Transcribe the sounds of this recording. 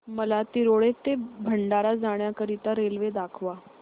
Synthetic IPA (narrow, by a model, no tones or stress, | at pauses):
məlat̪iɾoɭet̪ːebʱəɳɖaɾad͡zaɳjakəɾit̪aɾelʋed̪akʰʋa